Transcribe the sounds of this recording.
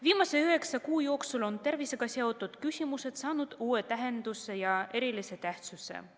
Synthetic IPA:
viːmɑse̞yɦe̞ksɑkuːjo̞ːksulo̞nt̪e̞rvise̞ɡ̥ɑseo̞t̪ːˑud̪̥kysʲimuse̞t̪sɑːnud̪̥uːe̞t̪æɦe̞nd̪̥use̞jɑe̞ɾilise̞t̪æht̪suse̞̰

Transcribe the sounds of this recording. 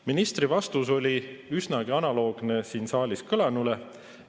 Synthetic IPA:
minist̪rɾivɑst̪uso̞lʲiysnɑɡ̥iɑnɑlo̞ːɡ̥ne̞siːnsɑːlʲiskɤlɑnule̞

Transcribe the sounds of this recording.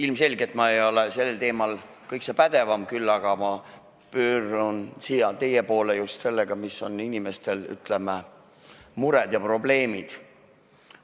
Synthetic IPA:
ilmse̞lʲɡ̥et̪mɑe̞jo̞lese̞lːelt̪e̞ːmɑl | kɤjksepæd̪̥e̞vɑmkylːɑɡ̥ɑmɑ | pøːɾunsijɑt̪e̞jepo̞ːlejust̪se̞lːeɡ̥ɑmisːo̞ninime̞st̪e̞ly̰t̪ˑle̞me | muɾɛd̪̥jɑpro̞ble̞ːmid̪̥

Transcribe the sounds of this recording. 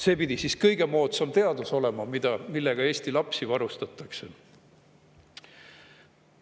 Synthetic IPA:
se̞ːpid̪̥isiskɤjɡ̥e̞mo̞ːt̪sɑmt̪e̞ɑd̪uso̞le̞mɑmid̪̥ɑmilːe̞ɡ̥ɑe̞ːsʲt̪ilɑpsivɑɾust̪ɑt̪ːˑɑkse̞

